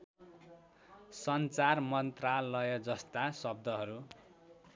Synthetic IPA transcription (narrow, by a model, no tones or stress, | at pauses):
sʌnt͡sarmʌnt̪ralʌjʌd͡zʌst̪asʌb̚d̪ʱʌɦʌɾu